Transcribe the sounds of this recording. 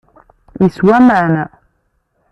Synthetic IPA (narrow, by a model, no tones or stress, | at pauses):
iswæməʕnæ